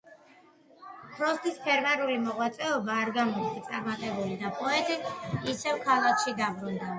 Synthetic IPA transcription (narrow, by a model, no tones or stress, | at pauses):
pʰɾɔst̪ʰʼispʰɛɾmɛɾulimɔʁwat̪sʼɛɔbaːɾɡamɔɾt̪ʰat̪sʼaɾmat̪ʼɛbulid̪apʼɔɛt̪ʼiisɛvkʰalˠakʰʃid̪abɾund̪a